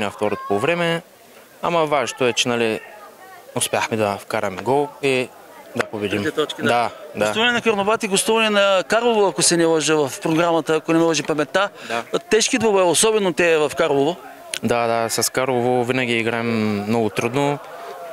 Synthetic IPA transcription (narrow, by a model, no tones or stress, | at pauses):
nʲaft̪ɔɾot̪̚povɾɛmɛ | a̰mɐvaʒt̪oɛt͡ʃɛnali | ʊspʲjaxmɛd̪ɐfkaɾɐmɛɡɔlˠi | d̪ɐpobɛd̪imt̪ɔt͡ʃkd̪ad̪asuvɐnɛnɐkəɾnobat̪iɡost̪uvɐnɛnɐkaɾlˠovoɐkosɛnɛləʒəvɐfpɾoɡɾamət̪əːkonɛmɛlˠəʒipɐmɛt̪ːat̪ɛʃkid̪vobɛosɔbɛnot̪ɛvɐfkaɾlˠovo | d̪ad̪asɐskaɾlˠovovinɐɡʲiiɡɾaɛmːnɔɡʊt̪ɾud̪no